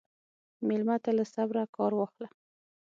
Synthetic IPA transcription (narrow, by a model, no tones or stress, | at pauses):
melmat̪alasabɾakɑɾwɑxla